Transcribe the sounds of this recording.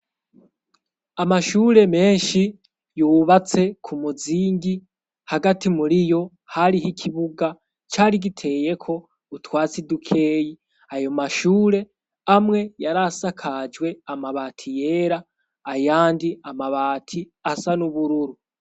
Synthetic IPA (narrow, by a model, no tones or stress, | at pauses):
amaʃuːɾe̞me̞ːnʃi | juːβat͡se̞kʰumuziːŋɡi | haɡatimuɾijo̞ | haɾihikʰiβuɡa | t͡ʃaːɾiɡitʰe̞ːje̞kʰo̞ | utwaːt͡sidukʰe̞ːji | ajo̞maʃuːɾe̞ | amŋe̞jaɾasakʰad͡ʒɡwe̞amaβaːtʰije̞ːɾaː | jaːndiamaβaːtʰi | asanuβuɾuɾu